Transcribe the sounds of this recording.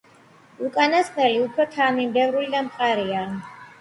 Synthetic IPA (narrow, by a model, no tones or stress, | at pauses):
ukʼanasχnɛliupʰɾɔt̪ʰanimbɛvɾulid̪amχʼaɾia